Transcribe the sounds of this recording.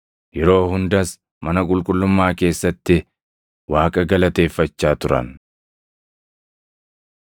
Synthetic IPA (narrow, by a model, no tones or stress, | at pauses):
jɛɾo̞ːɦʊnd̪ɐs | mɐnɐkʼʊlkʼʊlːʊmːaːke̞ːsːɐt̪ːɪ | waːkʼɐɡɐlɐt̪e̞ːfːɐt͡ʃːaːt̪ʊɾɐ̰n